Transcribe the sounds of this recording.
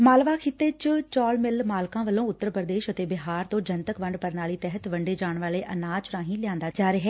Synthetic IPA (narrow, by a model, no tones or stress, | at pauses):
maːlʋaːkʰɪt̪ːeːt͡ʃt͡ʃɔːlmɪlmaːlkãːʋəlːõːʊt̪ːəɾpɾəd̪eːʃət̪eːbɪɦaːɾt̪õːd͡ʒənt̪əkʋəɳɖpəɾnaːliːt̪ɛɦət̪ʋəɳɖeːd͡ʒaːɳʋaːleːʔənaːt͡ʃɾãːɦĩːlɪjãːnd̪aːd͡ʒaːɾeɦɛː